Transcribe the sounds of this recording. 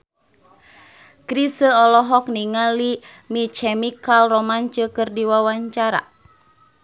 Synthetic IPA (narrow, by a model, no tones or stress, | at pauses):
kɾisəɔlɔɦɔk̚niŋali | mit͡ʃɛmikalrɔmant͡ʃəkɨrdiwawaɲt͡ʃaɾa̰